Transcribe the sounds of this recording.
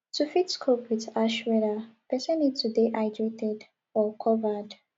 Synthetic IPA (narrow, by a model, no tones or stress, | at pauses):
tufitskʰopwiðaʃwɛðapɛsɛ̃nitʰudeʔaɪdɹetɛd | ɔkʰɔvəd